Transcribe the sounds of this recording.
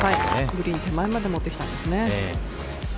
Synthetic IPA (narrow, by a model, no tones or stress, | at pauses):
haiɡɯ̟ɾʲĩɲit̪e̞mːaemad̪e̞mo̞t̪ːe̞kʲi̥t̪ãnd̪e̞sɨne̞e